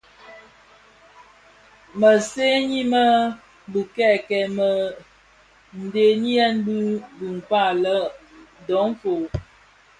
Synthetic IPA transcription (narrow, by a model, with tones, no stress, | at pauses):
mə˨se˦ɲi˦mə˦ | bu˨kɛ˦˨kɛ˨mə˨ | n̩˨de˨ni˦ɛ˦n̩˦bu˦bu˨ŋ̩˨ka˦˨lə˦dɔ˨˦ɱ˦fo˨